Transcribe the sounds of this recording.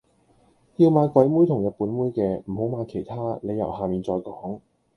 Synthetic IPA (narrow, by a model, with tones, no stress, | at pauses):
jiː˧wmaː˨˧jkʷwɐ˨˥jmuː˥jt̪ʰʊ˨˩ŋjɐ˨t̚puː˨˥nmuː˥jkɛː˧m̩˨˩ho˨˥wmaː˨˧jkʰe˨˩jt̪ʰaː˥ne˨˧jːɐ˨˩whaː˨miː˨nt͡sɔː˧jkɔː˨˥ŋ